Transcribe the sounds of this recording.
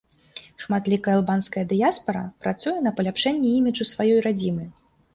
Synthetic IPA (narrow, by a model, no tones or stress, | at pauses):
ʂmat̪lʲikɐjalˠbanskɐjɐd̪ɨjaspɐɾɐ̰pɾat̪sujɛnɐpɐlʲapʂɛnʲːɛimʲid͡ʐusvajɔjɾad͡zʲimɨ